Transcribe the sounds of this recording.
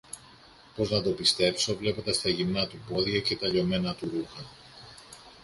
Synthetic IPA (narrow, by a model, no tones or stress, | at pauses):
po̞znɐt̪o̞pist̪e̞pso̞vle̞pod̪ɐst̪ɐʝimnɐt̪upo̞ðʝɐce̞t̪ɐʎo̞me̞nɐt̪uɾuxɐ